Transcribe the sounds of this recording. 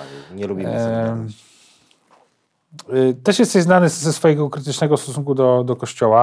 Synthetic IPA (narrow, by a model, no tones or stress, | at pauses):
ɲɛlubʲi | t̪ɛʂjɛst̪ɛjznanɘsɛsfɔjɛɡɔkɾɘt̪̬ɘt͡ʂnɛɡɔst̪ɔsuŋkud̪ɔd̪ɔkɔɕt͡ɕɔwa